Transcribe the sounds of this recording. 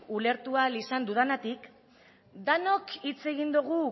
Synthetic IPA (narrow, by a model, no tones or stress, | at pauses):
ule̞ɾt̪ualisand̪uðanat̪ik | d̪ano̞kʰit͡se̞ɣind̪uɣu